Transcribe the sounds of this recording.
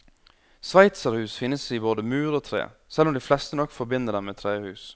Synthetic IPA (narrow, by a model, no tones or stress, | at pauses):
sʋæɪt̪səɾhʉːsfɪnːəsiboːd̪əmʉːɾoːt̪ʰɾḛːsɛlːɔmd̪ɪflɛst̪ənɔkːfɔɾbɪnːəɖ̪ɛmeːt̪ʰɾeːhʉːs